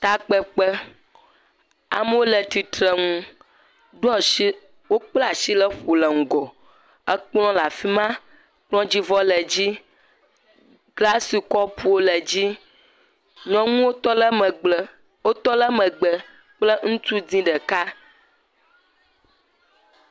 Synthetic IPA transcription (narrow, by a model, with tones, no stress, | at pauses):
t̪a˨k͡pə˨k͡pə˦ | a̰˨mə˦wo˦lə˨t̪i˨t̪ɾə˨ŋũ˦ | ɖu˦ɔ˨ʃi˦ | wo˦k͡plɛ˦a˨ʃi˦lə˦ɸu˨lə˨ŋ̩˨ɡɔ˨ | ə˦k͡plɔ̃˦la˨fi˦mã˦ | k͡plɔ̃˦d͡ʑi˦vɔ˦lə˨d͡ʑi˦ | ɡla˦si˨kɔ˦pʰu˦wo˦lə˨d͡ʑi˦ | ɲɔ̃˦ŋũ˦wo˦t̪ɔ˦ll | o˦t̪ɔ˦lə˦mə˨ɡ͡bə˨ | k͡plə˦ŋũ˦t̪u˦d̪ĩ˦ɖə˨ka˦